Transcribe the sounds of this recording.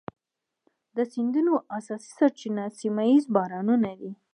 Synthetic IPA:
d̪əsind̪unoʔasɑsi̥saɾt͡ʃinasimaizbɑɾɑnunad̪i

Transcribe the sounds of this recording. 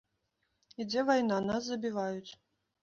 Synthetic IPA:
id͡zʲɛvajnanas̬zɐbʲivajut͡sʲ

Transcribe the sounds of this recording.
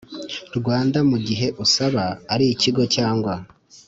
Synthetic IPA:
ɾɡwaːndamuɟiɦe̞ʔusaβaːɾiːciɡo̞caːŋɡwa

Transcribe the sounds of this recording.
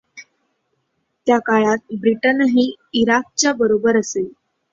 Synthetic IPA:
t̪jakaɭat̪̚bɾiʈənɦiː | iɾak̚t͡ɕjabəɾobəɾəsel

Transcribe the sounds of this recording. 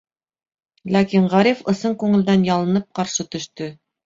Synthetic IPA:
lækiɴʁɑɾʲifɤ̆sɤɴkʉŋɘ̆ld̪ænjɑlˠɤ̆nɤp̚qɑɾʃɤt̪ɵ̆ʃt̪ɵ

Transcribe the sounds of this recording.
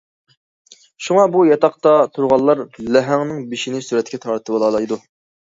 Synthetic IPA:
ʃuŋɑbujɑt̪ɑqt̪ɑt̪ʰuɾʁɑlˠːɑɾlæɦæŋnɨŋbɪʃinɪsuɾɛt̪̚ʲkʲɛt̪ʰɑɾt̪ʰbolˠɑːlˠɑjd̪u

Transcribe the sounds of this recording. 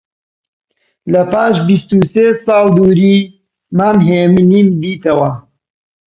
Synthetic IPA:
lɐpaːʃbist̪useːsɑːlˠd̪uːɾiː | maːmɦeːmɨniːmd̪iːt̪ɐwɐ

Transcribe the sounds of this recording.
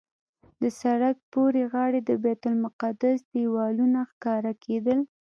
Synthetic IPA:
d̪əsaɽak̚poɾeɣɑɽed̪əbɛt̪ʊlmʊqad̪asd̪ewɑlunaxkɑɾakʰed̪əl

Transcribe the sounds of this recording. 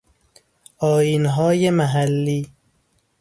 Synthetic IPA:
ɒːjiːnɦɒːjemæɦælːiː

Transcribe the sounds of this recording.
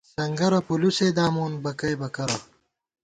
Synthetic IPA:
sɐŋɡɐɾopuluseːd̪aːmuːnbɐkɐjbɐkɐɾo

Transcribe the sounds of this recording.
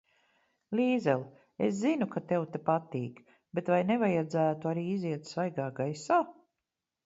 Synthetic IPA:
liːzɛlˠ | eszinukat̪ewt̪epat̪iːk | bet̪vajnevajad̪zæːt̪uaɾiːiziɛt̪svajɡaːɡajsaː

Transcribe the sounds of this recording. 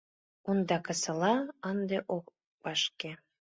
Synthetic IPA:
ond̪ɑkɤ̆sɤ̆lɑɑnd̪eʔok | bɑʃke

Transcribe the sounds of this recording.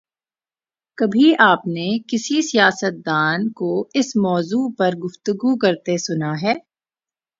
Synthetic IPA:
kɐbʱiaːpnekɪsisijaːsət̪̚d̪aːnkoɪsmɔːzuːpɐɾɡʊft̪ʊɡukɐɾt̪esʊnaɦɛː

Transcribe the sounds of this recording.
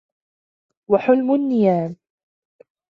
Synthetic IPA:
waħʊlmʊnːɪjaːm

